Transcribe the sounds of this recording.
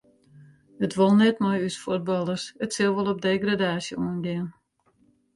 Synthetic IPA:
ətʋolˠnɛtmɔjysfut̚bɑlˠərsətsɪlˠʋɔlˠɔp̚deːɡradaːsjə̰uənɡɪən

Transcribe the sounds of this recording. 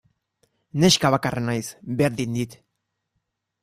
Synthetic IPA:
ne̞skaβakarʔenajsbe̞ɾðind̪it̪

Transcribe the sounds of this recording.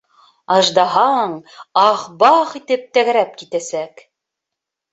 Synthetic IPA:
ɑʒd̪ɑɦɑɴɑχbɑqit̪ɘp̚t̪æɣæɾæp̚kit̪æsæk

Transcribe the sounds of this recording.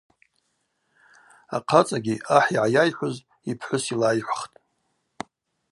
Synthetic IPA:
a̰qʰat͡sʼaɡʲiaħiʕajajħʷʊz | ipʰħʷʊsilajħʷχtʼ

